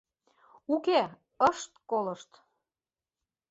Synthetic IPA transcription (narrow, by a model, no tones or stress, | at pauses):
uke | əʃt̪koləʃt̪